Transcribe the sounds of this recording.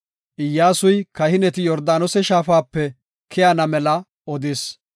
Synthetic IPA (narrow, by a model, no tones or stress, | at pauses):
ʔɪjːaːsʊjkɐhɪnɛt̪ɪjɔɾd̪aːnɔsɛʃaːfaːpːɛ | kʰɛjanɐmɛlɐ | ɔd̪ɪs